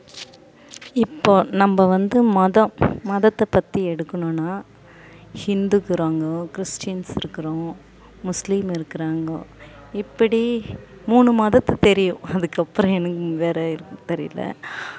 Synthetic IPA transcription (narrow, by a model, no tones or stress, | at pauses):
ɪpːoːnɐmbɐʋɐnd̪ɯmɐðɐ̃mɐðɐt̪ːɐpːɐt̪ːiɛɽɯkːɐɳʊ̃naː | hɪnd̪ukːɯɾaːŋɡɐkɪɾɪsʈjnsɪɾɯkːɪɾõ | mʊslimɪɾɯkːɪɾaːŋɡɐ | ɪpːɐɽi | muːɳɯmɐðɐt̪ːɐt̪ɛɾɪjʊ̃ɐðɯkːɐpːɯɾɔ̃ɛnɐkːɯʋeːɾɐɪɾɯkːt̪ɛɾɪ̰lɐ̰